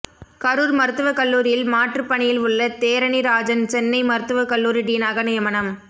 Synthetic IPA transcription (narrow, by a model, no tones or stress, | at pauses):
kɐɾuːɾmɐɾɯt̪ːɯʋɐkɐɭːuːɾɪjɪlmaːʈrɯpːɐɳɪjɪlʊɭːɐt̪eːɾɐniɾaːd͡ʒɐnt͡ʃɛnːɐɪmɐɾɯt̪ːɯʋɐkɐɭːuːɾiɖiːnaːɣɐnɪjɐmɐnɐm